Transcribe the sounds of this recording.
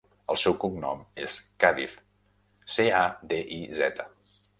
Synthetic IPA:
əlˠsɛwkuŋnɔmeskaðḭf | sead̪eʔizɛt̪ə

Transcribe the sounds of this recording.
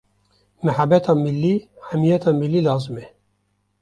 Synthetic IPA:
mæħabːɛt̪ʰɑːmɪlːiːhæmijɛt̪ʰɑːmilːiːlɑːzɨmɛ

